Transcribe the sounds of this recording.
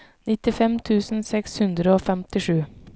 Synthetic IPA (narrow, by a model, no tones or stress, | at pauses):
nɪt̪ɪfɛmt̪ʰʉːsn̩sɛkshʉnd̪ɾəoːfɛmt̪ɪʂʉː